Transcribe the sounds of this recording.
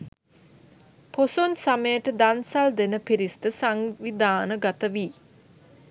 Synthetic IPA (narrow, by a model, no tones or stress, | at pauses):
posonsaməjəʈəd̪ansald̪enəpiɾist̪əsaŋʋid̪aːnəɡat̪əʋiː